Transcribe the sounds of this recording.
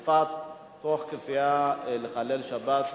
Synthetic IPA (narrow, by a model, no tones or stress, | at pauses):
fat̪ː | oχkefialeχalelʃabat̪